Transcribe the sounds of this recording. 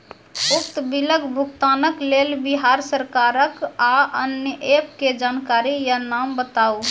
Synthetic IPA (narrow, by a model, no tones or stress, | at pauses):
ʊk̚t̪biləɡbʱʊkt̪anəklelbiɦaɾsəɾkaɾəkaənjəʔepked͡ʒaːnkaɾijanambət̪au